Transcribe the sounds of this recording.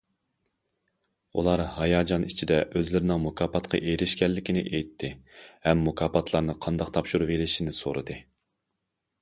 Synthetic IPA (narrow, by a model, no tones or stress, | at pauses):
ṵlˠɑɾhɑjɑːd͡ʒɑnit͡ʃʰid̪ɛʔøzlɪɾɪnɪŋmukʰɑːpɑt̪qʰɑ̰ʔeɾɪʃkʲɛlːɪkʲinɪ̰ʔejt̪ʰːɪhɛmːukʰɑːpɑt̪ʰlˠɑɾnɨqʰɑnd̪ɑqt̪ʰɑpʃuɾvelɪʃinɪso̰ɾɨ̰d̪ɨ